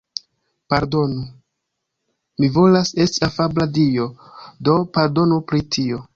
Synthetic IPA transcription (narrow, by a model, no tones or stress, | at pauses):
paɾdo̞nu | mivo̞lase̞stiafabladio̞ | do̞paɾdo̞nupɾitʰio̞